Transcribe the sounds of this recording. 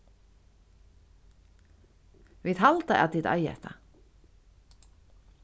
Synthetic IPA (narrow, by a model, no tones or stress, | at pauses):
viðɦalt̪aʔa̰t̪it̪a̰jɛ̰ht̪ʰa̰